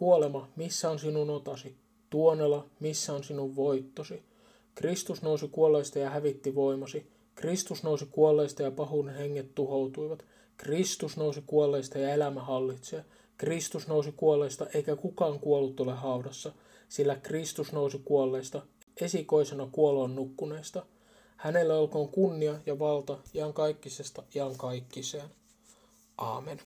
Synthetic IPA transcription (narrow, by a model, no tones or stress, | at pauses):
kuolemɑmisːæːnsinunot̪ɑsi | t̪uonelɑmisːæːnsinuʋʋojt̪ːosi | krist̪usnowsikuolːe̞ːst̪ɑjɑhæʋit̪ːiʋo̞imɑsi | krist̪usnowsikuolːe̞ːst̪ɑjɑpɑɦunehe̞ŋːet̪tuɦowt̪uiʋɑt̪ | krist̪usnousikuolːeːst̪ɑjɑelæmæɦɑlːit̪seː | krist̪usnousikuolːˑest̪ɑʔeikækukɑːŋkuolːut̪ːuleɦɑudɑsːɑ | silːækrist̪usnousikuolːeːst̪ɑ | esiko̞isenɑkuoloːnːukːuneːst̪ɑ | hænelːæolkoːŋkunːiɑjɑʋɑlt̪ɑiɑŋkɑikːisest̪ɑiɑŋkɑikːiseːn | ʔɑ̰ːmen